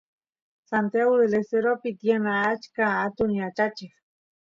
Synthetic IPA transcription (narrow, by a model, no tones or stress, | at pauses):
sant̪jaweleseɾopit̪jenaːt͡ʃkaat̪uniat͡ʃat͡ʃex